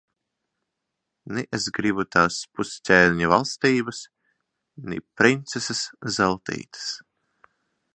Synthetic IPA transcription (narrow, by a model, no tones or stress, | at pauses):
niʔezɡɾibut̪aːspussʲɛːlʲɲuvalˠst̪iːbɐs | nḭpɾint̪seseszɛlˠt̪ḭːt̪ɨ̥s